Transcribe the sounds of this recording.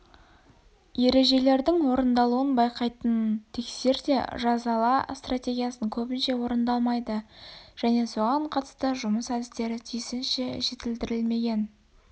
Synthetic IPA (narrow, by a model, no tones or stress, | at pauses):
je̞ɾe̞ʒe̞le̞ɾd̪ɪŋwo̞ɾənd̪ɑlˠuənbɑjqɑjt̪ənt̪ʰe̞kse̞ɾd̪e̞̰ʒɑzɑlˠɑst̪rat̪ʲe̞ɡʲijasəŋkʲʰɵbɪnʃe̞wo̞ɾənd̪ɑlˠmɑjd̪əʒ̥æne̞so̞ʁɑɴqʰɑt̪ə̥st̪əʒʊməsæd̪ɪst̪e̞ɾɪt̪ʰijsɪnʃeʒe̞t̪ɪld̪ɪɾɪlme̞ɡʲe̞n